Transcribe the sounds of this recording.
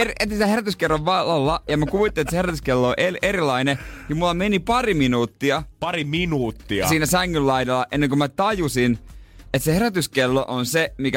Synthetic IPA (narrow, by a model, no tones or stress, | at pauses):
eriet̪ːsilæheɾæt̪yskerːɑʋʋɑlɑlːɑjɑmekuʋit̪ːinet̪seheɾæt̪yskelːooʔeleɾilɑinekimulːɑmenipɑriminuːt̪ːiɑpɑriminuːt̪ːiɑsiːnæsæŋːyllɑidelːɑʔenːeŋkomæt̪ɑjusinet̪seheɾæt̪yskelːoʔonsemikæ